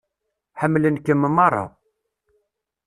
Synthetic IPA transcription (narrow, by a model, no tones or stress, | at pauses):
ħəmːlənkəmːəmːɑrˤːɑ̰